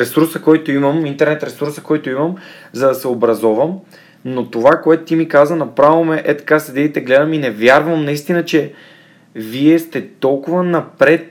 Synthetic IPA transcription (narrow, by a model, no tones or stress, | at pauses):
ɾɛsuɾsəkɔjt̪oiməmint̪ɛɾnɛt̪ɾɛsuɾsəkɔjt̪oiməm | zɐd̪ɐsɛobɾɐzɔvəm | not̪ovakoɛt̪ʊt̪imikazvənɐpɾavomɛʔɛt̪ɐ̥kasɛd̪ɛd̪it̪ɛɡlɛd̪əminɛvjaɾvəmnɐist̪inət͡ʃɛ | viɛst̪ɛt̪ɔlˠkʊvənɐpɾɛt̪̚